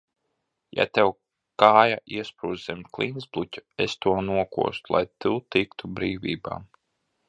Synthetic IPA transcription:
ja̰t̪ɛw | kaːjaʔiɛspɾuːzzɛmʲklʲˠinzblˠutʲu̥est̪uɔnuɔkṵɔst̪ulˠa̰jt̪ut̪ikt̪ubɾiːvʲḭːba̰ː

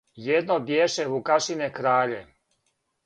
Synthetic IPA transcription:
jed̪nobjeːʃevukaʃinekɾaːʎe

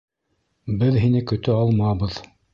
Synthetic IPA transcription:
bɘðɦinɘkɵ̆t̪ɘɑlˠmɑβɤð

